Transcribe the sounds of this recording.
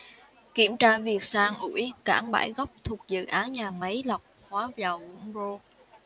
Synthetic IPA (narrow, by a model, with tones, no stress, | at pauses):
ki˧˩əmt͡ɕaː˧vi˨˩ək̚saː˧ŋʔu˧˩jka̰ː˧˩ŋɓa̰ː˧˩jɣɔ˦˥wk͡p̚t̪ʰu˨˩ək̚zɨ̰˧˨ʔaː˨˦nɲaː˨˩mə˨˦jla˨˩wk͡p̚hwaː˨˦vaː˨˩wvʊ̰˧˥ŋ͡mzo˧